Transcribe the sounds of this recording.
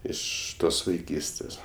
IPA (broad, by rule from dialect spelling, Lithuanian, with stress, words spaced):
ˈɪʃ ˈtoːs ʋɐɪˈkʲiːsʲtʲeːs